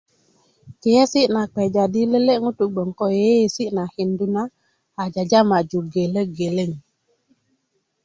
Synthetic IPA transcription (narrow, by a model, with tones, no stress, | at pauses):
ki˨jɛ˦si˦ʔna˨k͡pɛ˨d͡ʒa˨di˦lə˦le˦ʔŋu˦tu˨ɡ͡bɔ˨ŋkɔ˦je˦je˨si˦ʔna˨hi˨ndu˦naː˦˨ | d͡ʒa˨d͡ʒa˦ma˨d͡ʒu˨ɡe˨lə˦ɡe˨le˦˨ŋ